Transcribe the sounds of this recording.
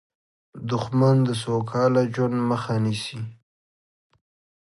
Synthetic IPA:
d̪ʊxmand̪əs̬okʰɑlad͡ʒwand̪məxanisi

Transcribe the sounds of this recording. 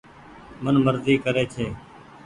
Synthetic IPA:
mənməɾziːkəɾeːt͡ʃʰeː

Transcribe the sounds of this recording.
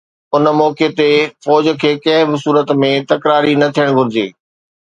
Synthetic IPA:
ʊn̆mɔːket̪efɔːd͡ʑ̆kʰeːkɐ̃ɦɪ̃bʊsuːɾət̪mẽt̪ɐkɾaːɾinɐt̪ʰijəɽ̃ɡʱʊɾɪd͡ʑeː

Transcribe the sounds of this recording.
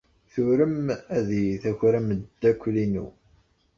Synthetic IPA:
θʊɾəmæðijθæçɾæməd̪ːækʷːlinṵ

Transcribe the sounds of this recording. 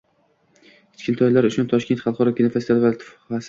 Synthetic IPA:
kʰʲɪ̥t͡ʃkʰʲɪnt̪ʰɒjlaɾʊt͡ʃʰʊnt̪ʰɒʃk̪ʲt̪χɑlˠqɒɾɒpʲʰinafast̪ʰalvalt̪ʰɪ̥f | as

